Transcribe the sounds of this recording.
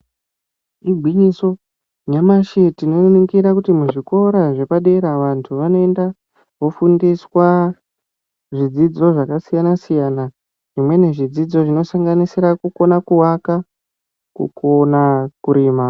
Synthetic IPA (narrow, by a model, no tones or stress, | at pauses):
iɡʱwiɲiso̞ | ɲamaʃetino̞nukiɾakutimuʐiko̞ɾaʐe̞paɗe̞ɾaʋantʰuʋano̞e̞nda | ʋo̞fundiswa | ʐid͡zid͡zo̞ʐakasijanasijana | ʐimwe̞ne̞ʐid͡zid͡zo̞ʐino̞saŋɡanisiɾakuko̞nakuwaka | kṵkʰonakuɾiːma